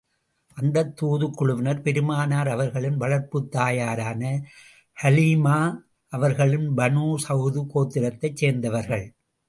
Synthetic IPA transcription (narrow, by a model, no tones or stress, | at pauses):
ʔɐnd̪ɐt̪ːuːðɯkːʊɭʊʋɪnɐɾpɛɾɯmaːnaːɾɐʋɐɾɣɐɭɪnʋɐɭɐɾpɯt̪ːaːjaːɾaːnɐ | hɐliːmaː | ʔɐʋɐɾɣɐɭɪnbɐnuːsɐɣðɯkoːt̪ːɪɾɐt̪ːɐɪt͡ʃseːɾnd̪ɐʋɐɾɣɐɭ